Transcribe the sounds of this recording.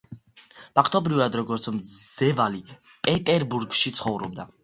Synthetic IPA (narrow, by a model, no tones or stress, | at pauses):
b̥ʰakʰt̪ʰʼɔbɾivad̪ɾɔɡɔɾt̪sʰmzɛvali | pʼɛt̪ʼɛɾbuɾɡʃit̪sʰχɔvɾɔ̰b̚d̪a